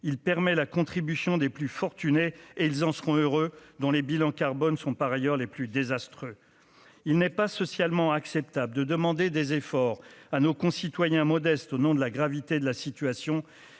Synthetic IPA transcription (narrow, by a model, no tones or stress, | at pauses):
ilpɛʁmɛlakɔ̃t̪χibysjɔ̃d̪eplyfɔʁt̪yneeilzɑ̃səʁɔ̃øʁød̪ɔ̃lebilɑ̃kaʁbɔnsɔ̃paʁajœʁleplyd̪ezast̪χø | ilnɛpasɔsjalmɑ̃aksɛp̚t̪abləd̪əd̪əmɑ̃d̪ed̪ezefɔʁanokɔ̃sit̪wajɛ̃mɔd̪ɛst̪onɔ̃d̪əlaɡʁavit̪ed̪əlasit̪ɥasjɔ̃